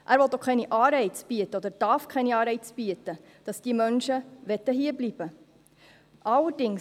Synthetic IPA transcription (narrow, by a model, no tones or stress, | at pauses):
ʔæːɾʋɔt̪ːokʰɛɪniʔɑːɾɛɪt͡sb̥iət̪ːəɔd̪əɾd̥ɑɾfkʰɛniɑːɾɛɪt͡sb̥iətə | d̥ɑsd̥iːmœnʃəʋɛt̪ːəɦiːəɾblib̥ə | ʔɑlːəɾdɪŋ